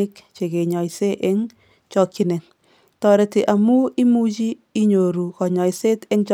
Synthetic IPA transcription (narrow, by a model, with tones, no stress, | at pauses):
ɪ˦kt͡ʃe˨ke˨ɲɔ˨jse˦ʔe˦ŋ | t͡ʃɔ˦kːi˦ne˨ŋ | tɔɾe˨tɪ˨ʔa˨mu˦i˦mu˦t͡ʃiː˦ɲo˨ɾu˨kɔ˨ɲɔ˨jse˦tɛ˦ŋt͡ʃ